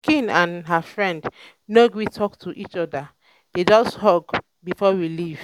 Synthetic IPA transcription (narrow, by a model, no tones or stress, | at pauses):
kʰĩnãnɦafɹɛ̃nd | noɡwitʰɔktʰuʔit͡ʃɔda | d̥ed͡ʒɔsthɔɡ | bifɔwiliv̥